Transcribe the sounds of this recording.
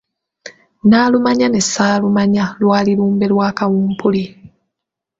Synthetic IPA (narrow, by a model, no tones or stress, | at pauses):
naːlumaɲane̞saːlumaɲalwaːliɾuːmbe̞lwaːkawuːmpʰuli